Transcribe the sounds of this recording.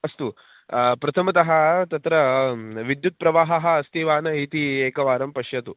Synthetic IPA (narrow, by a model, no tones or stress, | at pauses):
ɐst̪u | pɾɐt̪ʰɐmɐt̪ɐɦɐt̪ɐt̪ɾɐʋid̪jut̪̚pɾɐʋaːɦɐɦɐ̆ːst̪iːʋaːnɐit̪ieːkɐʋaːɾɐmpɐʃjɐt̪u